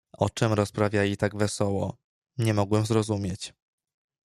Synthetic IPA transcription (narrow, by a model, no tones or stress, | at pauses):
ɔt͡ʂɛmɾɔspɾavʲjalʲit̪aɡvɛsɔwɔ̰ | ɲɛmɔɡwɛmzɾɔzumʲjet͡ɕ